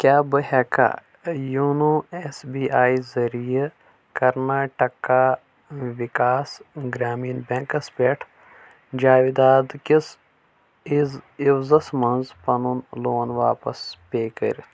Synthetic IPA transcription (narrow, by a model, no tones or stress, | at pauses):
kʲjaːbəɦɛka̰ː | juːnuesbiːaːizɐɾije | kɐɾnaːʈɐka | ʋikaːsɡɾaːmiːnbẽŋkɐsbeːʈʰ | d͡ʒaːʋid̪aːd̪kis | iziwzɐsmɐnzpɐnunloːnʋaːpɐspeːkɐ̰ɾ